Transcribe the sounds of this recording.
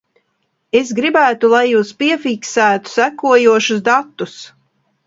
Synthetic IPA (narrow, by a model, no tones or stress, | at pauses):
esɡɾibæːt̪ulˠajːuːspiɛfiksæːt̪u̥sækuɔjuɔʃusd̪at̪ːus